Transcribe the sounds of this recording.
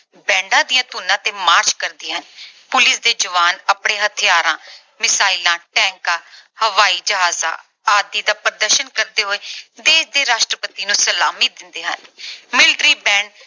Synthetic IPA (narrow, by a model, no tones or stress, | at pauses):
bɛ̃ːɳɖãːd̪ijãːt̪uːnãːt̪eːmaːɾt͡ʃkəɾd̪ɪjãːɦənpʊlɪsd̪eːd͡ʒəʋaːnəpɳẽːɦət̪ʰɪjaːɾãː | mɪsaːilãːʈɛ̃ːŋkãːhəʋaːiːd͡ʒəɦaːzã̰ː | aːt̪iːd̪aːpəɾd̪əɾʃənkəɾd̪eːɦoːeːd̪eːʃd̪eːɾaːʃʈɾəpət̪iːnũːsəlaːmiːd̪ɪnd̪eːɦə̰nmɪlʈɾiːbɛ̃ːɳɖ